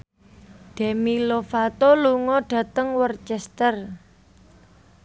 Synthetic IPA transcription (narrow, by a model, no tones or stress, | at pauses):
ɖ̪̥ɛ̤milofat̪oluŋɔɖ̥ä̤t̪əŋwərt͡ʃɛst̪ər